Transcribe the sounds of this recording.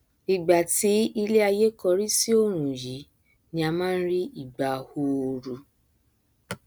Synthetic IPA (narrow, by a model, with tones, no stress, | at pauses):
i˨ɡ͡ba˨ti˨˦i˧le˦a˧je˦kɔ˧ɾi˦si˦o˦˨ɾ̃ũ˨ji˨˦ | nĩ˧˦a˧mãː˦n̩˦ɾi˦i˦˨ɡ͡ba˨ho˧o˧ɾu˧